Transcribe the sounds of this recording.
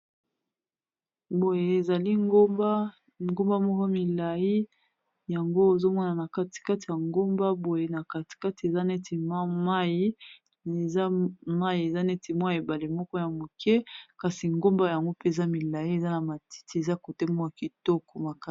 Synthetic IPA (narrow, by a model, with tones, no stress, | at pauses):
bo˨je˨e˨za˨li˦ŋɡo˦ba˦ | ŋɡo˦mba˦mɔ˦kɔ˦mi˨la˨ji˦ | ja˨ŋɡo˦e˨zo˦mwɔ˦na˨na˨ka˦ti̥˨ka˦ti˨ja˨ŋɡo˦mba˦bo˨je˨na˨ka˨ti̥˨ka˦ti˨e˨za˦nɛ˦ti˨ma˦ma˦ji˦ | e˨za˦ma˦ji˨e˨za˦nɛ˦ti˨mwa˦a˨e˨ba˨le˨mɔ˦kɔ˦ja˨mo˨kɛ˦ka˨si˨ŋɡo˦mba˦ja˨ŋɡo˦pe˦e˨za˦mi˨la˨i˦e˨za˦na˨ma˨ti̥˦ti˨˦e˨za˦ko˨tɛ˦mɔ˦a˨ki˨tɔ˦kɔ˨ma˨ka˦